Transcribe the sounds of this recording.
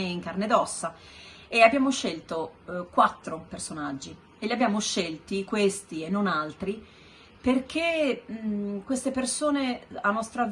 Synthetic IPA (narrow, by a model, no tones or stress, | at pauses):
eiŋkarned̪ɔsːa | eabjaːmoʃːelt̪okwat̪ːɾopersonad͡ʒːi | elːiabjaːmoʃelt̪ikwest̪ienːonalt̪ɾi | perk̟e | kwest̪epersoːneanːɔst̪ɾav